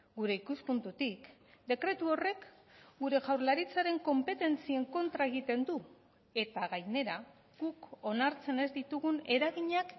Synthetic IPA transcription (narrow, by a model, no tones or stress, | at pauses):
ɡuɾe̞ikuspunt̪ut̪ik | d̪e̞kɾe̞t̪uo̞re̞k | ɡuɾe̞ʝawɾlaɾit͡saɾe̞ŋko̞mpe̞t̪e̞nt͡sie̞ŋko̞nt̪ɾae̞ɣit̪e̞nd̪u | e̞t̪aɣajne̞ɾa | ɣ̥uko̞naɾt͡se̞ne̞zd̪it̪uɣune̞ɾaɣiɲak